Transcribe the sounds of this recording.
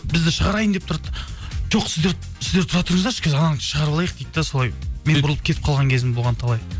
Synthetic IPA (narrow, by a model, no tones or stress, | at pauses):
bɪzd̪ɪʃəʁɑɾɑjənd̪ept̪ʰʊɾɑt̪ː | ʒoqsɪzd̪eɾ | sɪzd̪et̪ʰʊɾɑt̪əɾəɴəzd̪ɑʃkʲʰezɑnɑnʃəʁɑɾblˠɑjəq̚d̪ejt̪ːeso̞ɑjme̞nbʊɾlˠəp̚kʰe̞t̪ɪp̚qʰɑlˠʁɑŋkʲʰezɪmbolˠʁɑnt̪ʰɑlˠɑj